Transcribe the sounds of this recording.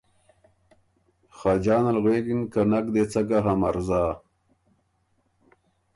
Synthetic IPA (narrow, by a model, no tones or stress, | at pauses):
xɑːd͡ʒɑːnalɣweːɡinkanakd̪et͡saɡaɦamaɾzaː